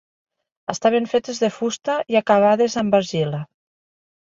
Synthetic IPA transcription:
əst̪aβ̞eɱfet̪ezðefust̪aiakaβ̞aðezambaɾʒila

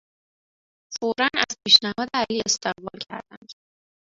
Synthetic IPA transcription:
foɾɒnæ̰zpʰiːʃnæhɒːd̪eæliːest̪ʰe̞ɣbɒːlcʰæ̰ɾd̪æ̰nd̪̥

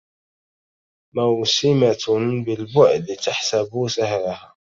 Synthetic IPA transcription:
mawsɪmatbɪlbʊʕd̪t̪aħsabusahɾahaː

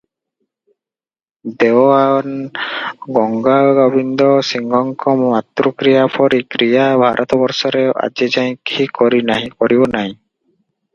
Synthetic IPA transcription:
d̪ewan | ɡɔŋɡaɡɔbind̪ɔsiŋɡɔŋkɔmat̪ɾukɾijapʰɔɾikɾijabʱaɾʔɔt̪ɔbɔɾsɔɾeʔa̰d͡ʒid͡ʒaj̃kikɔɾinaɦĩkɔɾibɔnaɦĩ

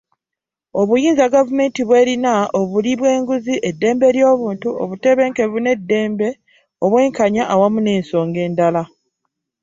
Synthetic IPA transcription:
o̞βujiːnzaɡavume̞ːntiβwe̞ːɾinaʔoβuliβwe̞ːŋɡuziʔe̞dːe̞ːmbe̞ɾjo̞ːβuːntuo̞̰βute̞βe̞ːŋke̞βune̞dːe̞ːmbe | oβwe̞ːŋkaɲaʔawamune̞ːnso̞ːŋɡe̞ːndala

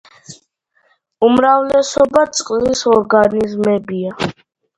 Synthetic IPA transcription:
umɾavlɛsɔbat̪sʼqʼlisɔɾɡanizmɛbia

